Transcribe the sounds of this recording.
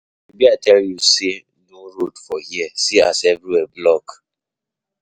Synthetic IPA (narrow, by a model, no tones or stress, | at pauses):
ebiatɛljuse | noɾodfɔhiɛsia̰sɛvɾiwɛblɔk